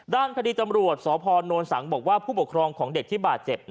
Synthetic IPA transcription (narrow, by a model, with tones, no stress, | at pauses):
daː˥˩nkʰa˧diː˧t͡ɕa˧mɾu˨˩ət̪̚sɔː˩˦pʰɔː˧nːoː˧nsa˩˦ŋbɔː˨˩k̚waː˥˩pʰuː˥˩pu˨˩kʰɾɔː˧ŋkʰɔː˩˦ŋde˨˩k̚t̪ʰiː˥˩baː˨˩t̪̚t͡ɕe˨˩p̚